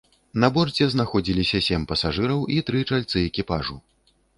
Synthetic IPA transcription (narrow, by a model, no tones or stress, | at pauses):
nɐbɔrd͡zʲɛznaxɔd͡zʲilʲisʲɐsʲemʲpɐsaʐɨɾɐwit̪ɾɨt͡ʂalʲt̪sɨɛkʲipaʐu